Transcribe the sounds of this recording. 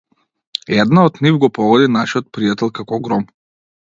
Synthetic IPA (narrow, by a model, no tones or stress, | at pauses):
ɛd̪naɔd̪nivɡɔpɔɡɔd̪inaʃiɔt̪̚pɾijat̪ɛlˠkakɔɡɾɔm